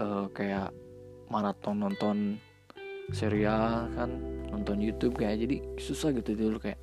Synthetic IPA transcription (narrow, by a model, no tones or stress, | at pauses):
ʔəkajaʔmaɾat̪ɔŋnːɔnt̪ɔn | seɾiakanːɔnt̪ɔnjut̪ub̚kajad͡ʒadisusahɡit̪ut̪ulkaja̰ʔ